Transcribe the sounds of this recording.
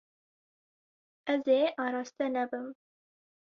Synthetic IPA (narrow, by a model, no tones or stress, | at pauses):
ɛzeːʔɑːɾɑːst̪ɛnɛbɨm